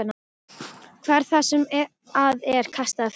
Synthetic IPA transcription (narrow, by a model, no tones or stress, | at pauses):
na | kʰvɛɾ̥θasɛm | aðɛɾ̥kʰast̪aðf